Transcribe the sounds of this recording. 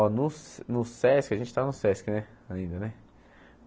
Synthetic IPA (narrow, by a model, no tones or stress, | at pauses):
nʊsnʊsɛskɐʒẽnt͡ʃɪ̥t̪avɐnʊsɛskɪnɛ | aĩnd̪ɐnɛ